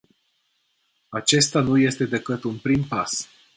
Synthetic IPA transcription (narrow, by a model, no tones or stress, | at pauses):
at͡ʃe̞st̪anuje̞st̪e̞d̪e̞kɨt̪unpɾimpas